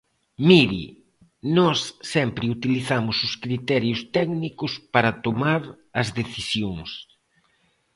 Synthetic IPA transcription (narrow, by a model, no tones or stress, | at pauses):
miɾḭ | nɔsːɛmpɾɪut̪iliθamʊsʊskɾit̪ɛɾjʊst̪ɛknikʊspaɾɐt̪omaɾ | ɐzðeθisjoŋs